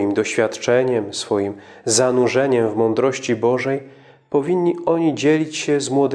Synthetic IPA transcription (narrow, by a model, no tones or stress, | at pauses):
imd̪ɔɕfʲjat̪t͡ʂɛɲɛmsfɔjim | zanuʐɛɲɛmvmɔnd̪ɾɔɕt͡ɕibɔʐɛj | pɔvʲiɲʲːiɔɲid͡ʑelʲit͡ɕɕɛzmwɔd̪